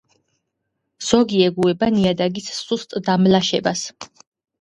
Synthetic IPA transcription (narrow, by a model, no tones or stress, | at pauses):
z̥ɔɡiɛɡuɛbaniad̪aɡisːust̪ʼd̪amlaʃɛbas